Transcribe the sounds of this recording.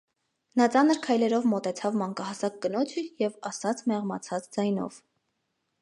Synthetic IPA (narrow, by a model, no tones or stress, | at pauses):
nɑt͡sɑnəɾkʰɑjlɛɾɔvmɔt̪ɛt͡sʰɑvmɑŋkɑhɑsɑk̚ːənɔt͡sʰəjɛvɑsɑt͡sʰmɛʁmɑt͡sʰɑt͡sd͡zɑjnɔ̰v̥